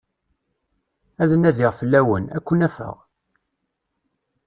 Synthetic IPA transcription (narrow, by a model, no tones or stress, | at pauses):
æðənæðiʁfəlːæwənækʷːənæfə̰ʁ